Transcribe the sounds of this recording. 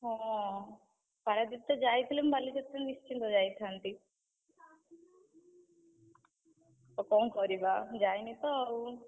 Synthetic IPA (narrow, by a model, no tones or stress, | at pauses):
oː | pɐɽɐd̪it̪ːɐd͡ʒaːjit̪ulembɐlːit͡ʃet̪ːɐnist͡ʃːind̪od͡ʒaːjit̪ʰaːɳʈi | okoŋkoːɾibad͡ʒaːjnit̪ou